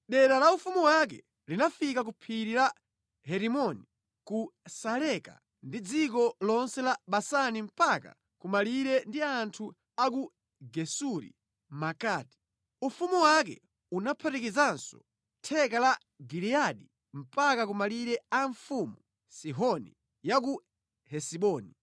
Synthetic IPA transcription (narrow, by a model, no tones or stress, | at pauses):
ɗɛɾalaufumuwakɛ̰ | linafikak̬upʰiɾila | ɦɛɾimɔni | kusalɛka̰ | ndid͡zik̬ɔlɔnsɛlaɓasanim̩paka̰ | kumaliɾɛndiantʰu | aku | ɡɛsuɾḭ | makaːti̥ | ufumuwak̬ɛ̰ | unapʰatikizansɔ̰ | tʰɛkala | ɡiɾiaɗi | m̩pakak̬umaliɾɛaɱfumu | siɦɔnḭ | jak̬u | hɛsiɓɔːni